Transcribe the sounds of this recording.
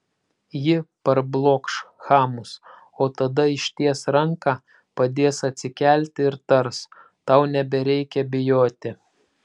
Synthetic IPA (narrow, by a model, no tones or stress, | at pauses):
jɪpɐɾblˠoːkʃxɑːmʊs | oːt̪ɐd̪ɐɪʃʲt̪ʲiɛsɾɐŋkɑː | pɐd̪ʲeːsɐt̪ʲsʲɪkʲæˑlʲt̪ʲɪɪɾt̪ɐɾs | t̪ɑˑʊnʲɛbʲɛɾʲɛɪkʲɛbʲɪjoːt̪ʲɪ